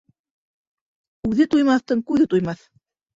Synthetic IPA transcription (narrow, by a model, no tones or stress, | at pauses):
ʉðɘt̪ujmɑθt̪ɤɴkʉðɘt̪ujmɑθ